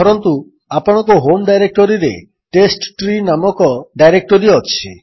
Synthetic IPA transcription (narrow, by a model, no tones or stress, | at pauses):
ɔɾɔnt̪u | apɔɽ̃ɔkɔɦomɖajɾek̚ʈɔɾiɾḛ | ʈesʈʈɾinamɔkɔɖajɾek̚ʈɔɾiɔt͡ʃʰi